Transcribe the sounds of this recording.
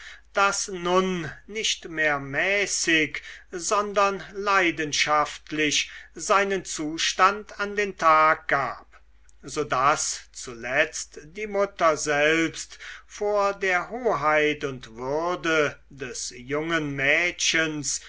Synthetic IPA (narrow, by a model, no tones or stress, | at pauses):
d̥asnʊnːɪʃtmeːɐmɛːsɪkzɔndɐnlaɪdənʃaftlɪʃzaɪnənt͡suːʃtantandeːntʰaːk̚ɡ̥a̰ːp̚ | zoːdast͡sulɛt͡std̥iːmʊtɐzɛlpstfoːɐdeːɐɦoːɦaɪtʊntv̥ʏɐdə | dɛsjʊŋənmɛːʃəns